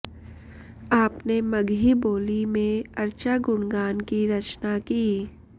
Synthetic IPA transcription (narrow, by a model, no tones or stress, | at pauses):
aːpneməɡʱiboːlimẽɐɾt͡ʃaɡʊɳɡaːnkiɾɐt͡ʃnakiː